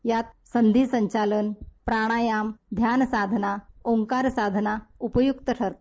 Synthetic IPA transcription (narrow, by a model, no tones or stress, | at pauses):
jat̪sənd̪ʱiːsəɲt͡ɕalənpɾaɽ̃ajamd̪ʱjansad̪ʱnaoŋkaɾsad̪ʱnaupəjukt̪əʈʰəɾt̪